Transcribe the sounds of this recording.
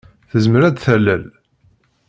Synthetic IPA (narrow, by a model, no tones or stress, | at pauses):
θəzməɾæd̪θælːæl